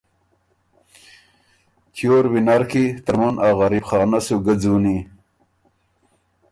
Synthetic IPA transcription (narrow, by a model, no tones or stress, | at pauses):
kʰjoɾwinaɾkit̪əɾmunɑːɣɑɾipχɑːnasuɡəd͡zuːni